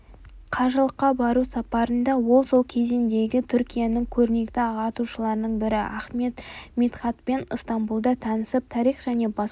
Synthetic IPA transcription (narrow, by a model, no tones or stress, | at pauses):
qʰɑʒəlˠəqːɑbɑɾusɑpɑɾənd̪ɑwo̞lˠso̞lˠkʲʰe̞zend̪e̞ɡʲɪt̪ʰʏɾkʲijanɪŋkʲʰɵɾne̞kt̪ɪɑʁɑt̪uʃəlˠɑɾnəɴbɪɾɪæχme̞t̪mit̪χɑt̪pe̞nəst̪ɑmbulˠd̪ɑt̪ʰɑnəsəp̚t̪ʰɑɾiχʒ̥æne̞bɑ